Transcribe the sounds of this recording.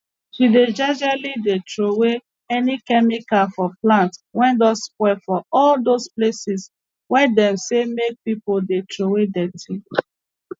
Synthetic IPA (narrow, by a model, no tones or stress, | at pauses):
ʃided͡ʒad͡ʒalidetɹowe | ɛnikɛmikafɔplãntwɛ̃ndɔsspwɛfɔɔldosplesis | wɛdɛ̃msemek̚pipoldetɹowedɛtʰi